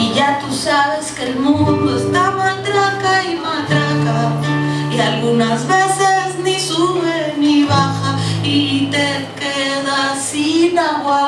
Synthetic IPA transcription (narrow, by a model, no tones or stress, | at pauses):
iʝat̪usaβeskelmũnnd̪oest̪amalt̪ɾakaimalt̪ɾaka | ialɣunazβesesnisuβeniβaxait̪e | keðasinaɣwa